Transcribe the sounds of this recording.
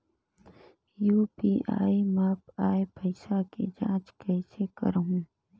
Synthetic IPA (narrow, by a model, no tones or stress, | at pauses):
juːpiːʔa̰ːimaːpaːepəɪsakḛd͡ʒã̰ːt͡ʃkɛɪsʰekə̰ɾɦũː